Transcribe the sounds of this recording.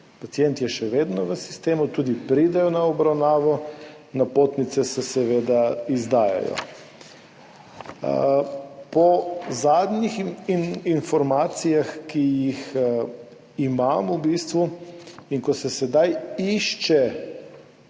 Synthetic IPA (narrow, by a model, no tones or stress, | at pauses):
pat̪sijɛnt̪jɛʃɛʋeːd̪nɔʋəsi̥st̪eːmut̪uːd̪ipɾid̪ɛjɔnaɔbɾawnaːʋɔ | napoːt̪nit̪sɛsɛsɛʋeːd̪aizd̪aːja̰jɔ̰ | pɔzaːd̪ɲix | infɔɾmaːt̪sijaxkijix | imamubiːst̪ʋuiŋkɔsɛsɛd̪ajiʃt͡ʃɛ